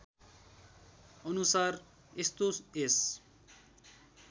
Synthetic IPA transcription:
ʌnusar | est̪oses

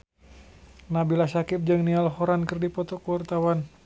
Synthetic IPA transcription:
nabilasakɪp̚d͡ʒɨŋnialɦoɾankərdipɔt̪ɔkuwart̪awan

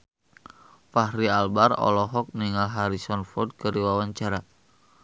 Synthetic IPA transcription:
fahɾialbarɔ̰lɔɦɔk̚niŋalɦaɾisɔnfɔd̚kəɾiwawaɲt͡ʃaɾa

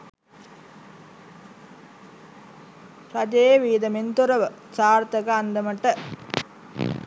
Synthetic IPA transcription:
ɾɐd͡ʒeeʋiːd̪ɐmint̪uɾɐʋə | saːɾt̪ɐɡɐand̪ɐmɐʈɐ

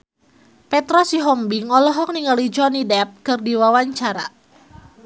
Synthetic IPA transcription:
pɛt̪ɾɔsiɦɔmbiŋɔlɔɦɔk̚niŋalid͡ʒɔnidɛp̚kɨrdiwawaɲt͡ʃaɾa̰

